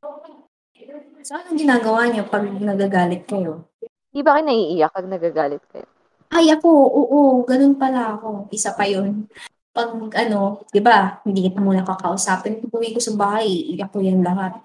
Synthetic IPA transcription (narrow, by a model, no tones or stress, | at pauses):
o | soʔanoŋɡɪnaːɡɐwaːɲopɐɡ̚nɐɡaːɡaːlɪt̪̚ko | nd̪ibakɐnːɐʔiːʔɪjɐk̚pɐɡ̚nɐɡaɡaːlɪt̪̚kɐ̰jo̰ | ʔɐjʔɐko̞ʔoːʔoɡɐno̞npɐlaɐko̞ʔɪsapɐjon | pɐɡʔɐno̞d̪̥ɪbahɪnd̪iːkɪt̪ɐmuːnɐkɐkɐʔʊsaːpɪnɐɡʊwikosɐbaːhɐjʔjɐk̚ojɐnlɐɦat̪̚